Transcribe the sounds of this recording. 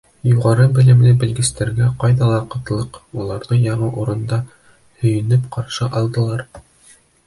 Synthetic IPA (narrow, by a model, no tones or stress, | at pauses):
juʁɑɾɤbɘ̆lɘ̆mlɘbɘ̆lɡɘ̆st̪æɾɡæqɑjðɑlˠɑqɤ̆t̪lˠɤqulˠɑɾðɤjɑɴɤʔuɾɤ̆nd̪ɑ | hɵ̆jɘ̆nɘpqʰɑɾʃɤʔɑlˠd̪ɤ̆lˠɑɾ